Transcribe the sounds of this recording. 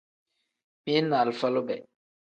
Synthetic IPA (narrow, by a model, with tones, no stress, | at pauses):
mi˦na˨lfa˦lo˦bɛ˨